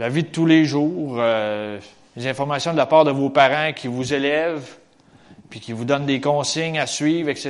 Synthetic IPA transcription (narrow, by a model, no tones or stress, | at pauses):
lavid̪ət̪uleʒuːʁø | lezɛ̃fɔʁmasjɔ̃d̪əlapɑːʁd̪əvopaʁɑ̃kʲʰivuzelɛv | pikʲivud̪ɔnd̪ekɔ̃ːsɪɲasɥiːvʁɛkse